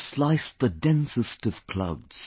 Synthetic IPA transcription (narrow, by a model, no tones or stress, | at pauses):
slaɪsðədɛ̃nsɨstʌv̥kʰl̥ʌ̰ʊdz̥